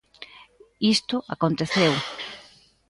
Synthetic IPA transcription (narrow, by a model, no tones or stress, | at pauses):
ist̪ʊʔakont̪eθew